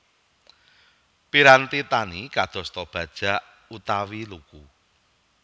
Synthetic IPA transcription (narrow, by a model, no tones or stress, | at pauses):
piɾant̪it̪anikad̪̥ɔ̤st̪ɔb̥ä̤d̥ʒ̥a̤ʔ | ut̪awiluku